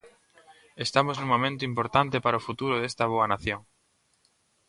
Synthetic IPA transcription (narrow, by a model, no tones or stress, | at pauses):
est̪amosnũmomẽnt̪oimpoɾt̪ant̪epaɾaofut̪uɾoðest̪aβ̞oanaθjoŋ